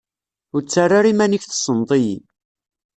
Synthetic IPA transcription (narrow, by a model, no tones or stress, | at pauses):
ʊɾt͡sːarˤːaɾimæniçθsˤənt̪ˤijḭ